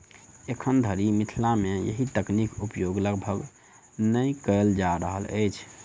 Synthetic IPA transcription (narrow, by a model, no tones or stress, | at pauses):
ekʰənd̪ʱəɾimit̪ʰilamejə̰ɦit̪əknikupjoɡləɡbʱəɡ | nəjkəld͡ʒaɾəɦə̰lə̰jt͡ʃʰ